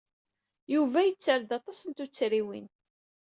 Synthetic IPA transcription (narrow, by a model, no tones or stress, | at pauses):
juvæjət͡sːəɾd̪ɑt̪ˤɑsənt̪ut͡sːɾiwḭn